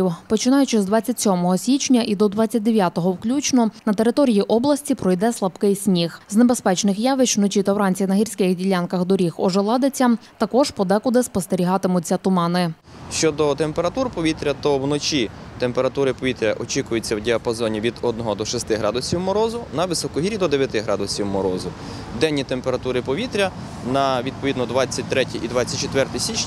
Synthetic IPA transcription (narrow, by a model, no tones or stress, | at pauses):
iwpɔt͡ʃɪnɑjʊt͡ʃɪzd̪ʋɑt͡sʲːɐtʲsʲɔmɔɦɔsʲʋʲit͡ʃnʲɐʔid̪ɔd̪ʋɑt͡sʲːɐt̚ʲd̪eʋʲjat̪ɔɦɔwklʲut͡ʃnɔnɐt̪e̞ɾɪt̪ɔɾʲijiʔɔblˠɐsʲtʲipɾɔjd̪ɛslˠɐbkɪjsʲnʲixznebe̞spɛt͡ʃnɪxjɑʋɪt͡ʃwnɔt͡ʃit̪ɐwɾɑnʲt͡sʲinɐɦirʲsʲkɪxdʲilʲɑnkɐxd̪ɔɾʲixɔʒelˠɑd̪et͡sʲːɐt̪ɐkɔʒpɔd̪ɛkʊd̪ɪspɔst̪eɾʲiɦɑt̪ɪmʊt͡sʲɐt̪ʊmɑnɪ | ʃt͡ʃɔd̪ɔt̪empeɾɐt̪urpɔʋʲit̪ɾʲɐt̪ɔwnɔt͡ʃʲit̪empeɾɐt̪uɾɪpɔʋʲit̪ɾʲɐʔɔt͡ʃikʊjet͡sʲːɐwdʲiɐpɐzɔnʲiʋʲid̪ɔd̪nɔɦɔd̪ɔʃɛst̪ɪɦɾɑd̪ʊsʲiwmɔɾɔzʊnɐʋɪsɔkʊɦiɾʲid̪ɔd̪eʋʲjɐt̪ɪɦɾɑd̪ʊsʲiwmɔɾɔzʊ | d̪ɛnʲːit̪empeɾɐt̪uɾɪpɔʋʲit̪ɾʲɐ | nɐʋʲid̪̚pɔʋid̪nɔd̪ʋɑt͡sʲːɐt̚ʲt̪ɾɛtʲiʔid̪ʋɑt͡sʲːɐt̚ʲt͡ʃet̪ʋɛrt̪ɪsʲit͡ʃʲ